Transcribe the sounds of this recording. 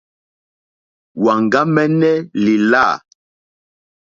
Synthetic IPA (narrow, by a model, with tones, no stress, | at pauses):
wa˨ŋɡa˦mɛ˦nɛ˦li˨la˦˨